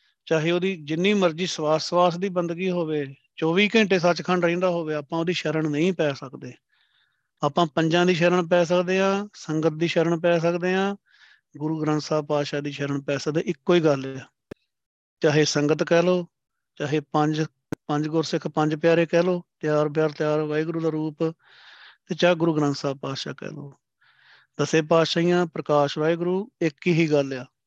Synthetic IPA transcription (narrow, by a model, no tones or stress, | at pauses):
t͡ʃaːɦeːoːd̪iːd͡ʒɪnːiːməɾd͡ʒiːswaːsʋaːsd̪iːbənd̪ɡiːɦoːʋeː | t͡ʃɔːʋiːkɛ̃ːɳʈeːsət͡ʃkʰəɳɖɾĩːnd̪aːɦoːʋeːaːpãːoːd̪iːʃəɾəɳnəĩːpɛːsəkd̪eː | aːpãːpəɲd͡ʒãːd̪iːʃəːɾəɳp̬ɛːs̬əkd̪eːɦãːsəŋɡət̪̚d̪iːʃəɾəɳp̬ɛːs̬əkd̪eːɦãː | ɡʊɾuːɡɾə̃nt̪saːb̚paːd̪ʃaːd̪iːʃəɾəɳpɛːsəd̪eʔɪkːoːiːɡəlː | t͡ʃaːɦeːsəŋɡət̪kɛːloː | t͡ʃaːɦeːpəɲd͡ʒ | pəɲd͡ʒɡoːɾsɪkʰpəɲd͡ʒpjaːɾeːkɛːloːt̪jaːɾp̬ɪjaːɾt̪ɪjaːɾʋaːeːɡɾuːd̪aːɾuːp | t̪eːt͡ʃaːeɡʊɾuːɡɾə̃nt̪saːb̚paːd̪ʃaːkɛ̰ːloː | d̪əsẽːpaːd̪ʃaːĩjãːpɾəkaːʃʋaːeːɡʊɾuːɪkiːɦiːɡəlːjaː